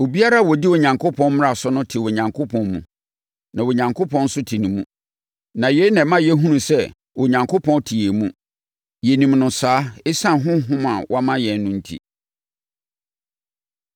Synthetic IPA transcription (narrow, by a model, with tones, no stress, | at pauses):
o˨bi˦a˦ɾa˦a˨wɔ˨di˦wɔ˨ɲã˨ŋkʰo˦pʰɔ̃˦n˦m̃˦ɾa˨sʊ˦nʊ̃˦tʰɪ˨wɔ˨ɲã˨ŋkʰo˦pʰɔ̃˦nmṵ̃˨ | nã˨wo˨ɲã˨ŋkʰo˦pʰɔ̃˦n̩˦sʊ˦tʰi˨nĩ˨mũ˦ | nã˨je˨˦nã˨mã˦jɛ˦ɦũ˦nũ˨sɛ˦˨ | wʔɔ˨ɲã˨ŋkʰo˦pʰɔ̃˦ntʰi˨e˨mũ˦ | je˨nĩ˨mnʊ̃˨saː˦e˦sã˦˨ɦʊ̃˦ɦʊ̃˦ma˨wʔɔ˦a˦mã˦jɛ̃˨nːʊ̃˦n̩˦tʰḭ˨